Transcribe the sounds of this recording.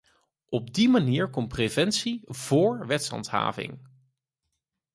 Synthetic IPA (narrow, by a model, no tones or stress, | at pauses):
ɔb̚dimaniːɹkɔmprevɛnsiv̥ʊːɹʋɛtsɦɑ̰ntɦa̰ːvɪ̰ŋ